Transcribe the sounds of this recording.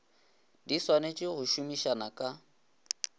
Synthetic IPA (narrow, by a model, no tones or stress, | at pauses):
diswanet͡ʃʼɪɣʊʃumiʃanakʼa